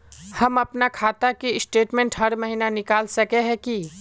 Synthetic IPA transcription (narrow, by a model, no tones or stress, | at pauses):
hɐmɐpnakʰaːt̪akiɪsʈeːʈmẽːɳʈɦɐɾmɐɦiːnanɪkaːlsɐkeɦɛ̃ki